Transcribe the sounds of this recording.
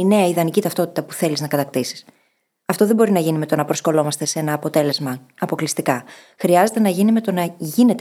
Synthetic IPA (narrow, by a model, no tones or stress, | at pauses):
ine̞ɐiðɐnicit̪ɐft̪o̞t̪it̪ɐpuθe̞liznɐkɐt̪ɐkt̪isi̥s | ɐft̪o̞ðe̞mbo̞ɾinɐʝinime̞t̪o̞nɐpɾo̞sko̞lo̞mɐst̪e̞se̞nɐːpo̞t̪e̞le̞zmɐː | po̞klist̪ikɐ | xɾiɐze̞t̪e̞nɐʝinime̞t̪o̞nɐʝine̞t̪